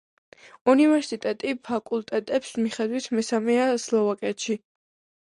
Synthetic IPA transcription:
univɛɾsit̪ʼɛt̪ʼipʰakʼulˠt̪ʼɛt̪ʼɛpsmiχɛd̪wit̪ʰmɛsamɛaslˠɔvakʼɛt̪ʃi

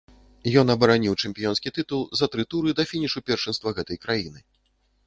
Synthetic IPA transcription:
jɔn̪ɐbɐɾanʲiwt͡ʂɨmʲpʲijɔnskʲit̪ɨt̪ulˠzɐt̪ɾɨt̪uɾɨd̪ɐfʲinʲiʂupʲɛrʂɨnst̪vɐɣɛt̪ɐjkɾajinɨ

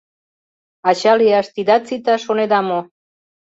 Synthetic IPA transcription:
ɑɕaliaʃt̪id̪at͡sit̪aʃoned̪amo

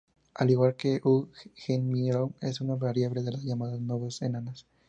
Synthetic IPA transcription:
aliɣwalkeʔuxenmiɾone̞sunaβaɾjaβleðe̞lazʝamaðaznweβesenanas

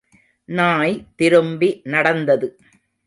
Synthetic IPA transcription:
naːjt̪ɪɾɯmbinɐɽɐnd̪ɐðɯ

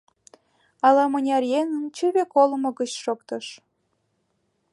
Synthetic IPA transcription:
ɑlɑmənʲɑrjenənt͡ɕyβekoləmŏɣət͡ɕʃokt̪ɤ̆ʃ

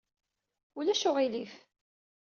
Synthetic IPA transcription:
ʊlæʃʊʁilif

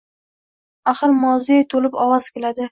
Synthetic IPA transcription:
aχɨɾmɒzijajt̪ʰolɪpɒwaz̥kʲelad̪ɪ

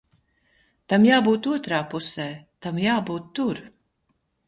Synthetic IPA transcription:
t̪amjaːbuːt̪uɔt̪ɾaːpusɛːt̪amjaːbuːt̪ːuɾ

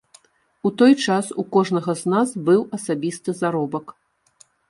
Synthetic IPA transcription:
ut̪ɔjt͡ʂasukɔʐnɐɣɐznazbɨwʔɐsabʲist̪ɨzaɾɔbɐk

